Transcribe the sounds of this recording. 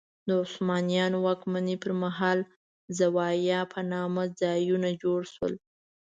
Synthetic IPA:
d̪əʊslmɑnijɑnowɑkmanipəɾmaɦɑl | zawɑjɑpʰanɑmad͡zɑjunad͡ʒoɽʃwə̰l

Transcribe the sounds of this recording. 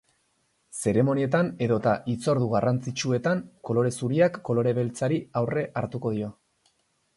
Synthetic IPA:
se̞ɾe̞mo̞nie̞t̪ane̞ðot̪aʔit͡so̞ɾð̞uɣarant͡sit͡ʃue̞t̪aŋko̞lo̞ɾe̞suɾiakːo̞lo̞ɾe̞βe̞lt͡saɾiawre̞ʔaɾt̪uko̞ð̞io̞

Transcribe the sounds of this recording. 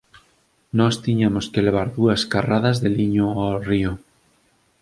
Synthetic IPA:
nɔst̪iɲamoskeleβ̞aɾðuɐskaraðɐzðeliɲoario

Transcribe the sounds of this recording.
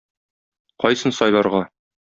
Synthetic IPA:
qɒjsɤnsɒjlˠɑɾʁɑ

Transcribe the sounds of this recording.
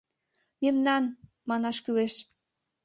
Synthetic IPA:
memnɑn | mɑnɑʃkyleʃ

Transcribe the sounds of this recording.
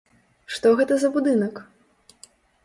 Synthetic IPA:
ʂt̪ɔɣɛt̪ɐzɐbud̪ɨnɐk

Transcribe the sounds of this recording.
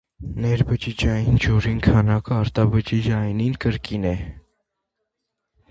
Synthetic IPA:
nɛɾbət͡ʃid͡ʒɑjind͡ʒɔɾinkʰɑnɑkəɑɾt̪ɑbət͡ʃid͡ʒɑjninkəɾkinɛ

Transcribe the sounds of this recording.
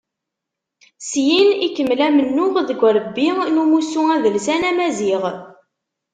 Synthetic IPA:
sjinikəmːlæmənːʊʁðəɡʷɾˤəbːinumusuæðəlsænæmæziʁ

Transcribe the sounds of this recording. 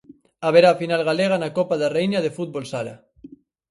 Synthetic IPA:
aβeɾaːfinalɣaleɣ̞anakopaðarejnaðefut̪̚bolsaɾa̰

